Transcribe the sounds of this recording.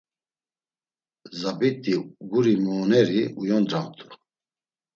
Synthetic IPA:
zabit̪ʼiɡuɾimɔːnɛɾiujɔnd̪ɾamt̪ʰʼu

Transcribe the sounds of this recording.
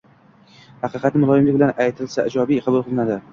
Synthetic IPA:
hɑqʰɨqʰɑt̪nɪmʊlˠɒjɪmlɪkbɪlanʔajt̪ʰɪlsaɪd͡ʒɒbijqʰɑbʊlˠqʰɨlˠɪnad̪ɪ

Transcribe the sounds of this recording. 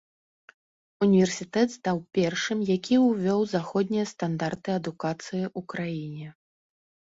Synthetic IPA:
unʲivʲɛrsʲit̪ɛt̪st̪awpʲɛrʂɨmjakʲiwvʲɔwzaxɔd̪ʲnʲijɐst̪and̪art̪ɨɐd̪ukat̪sɨjiʔukɾajinʲɛ

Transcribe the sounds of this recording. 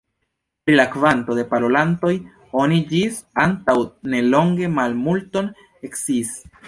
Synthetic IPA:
pɾilakvanto̞de̞paɾolanto̞j | o̞nid͡ʒisantawne̞lo̞ŋɡe̞malmulto̞n | e̞ksis

